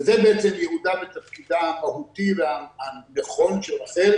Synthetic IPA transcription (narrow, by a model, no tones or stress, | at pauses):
zebeet̪semjehud̪abet̪afkid̪aamaɦut̪iveaaneχo̞nʃelaχeɾ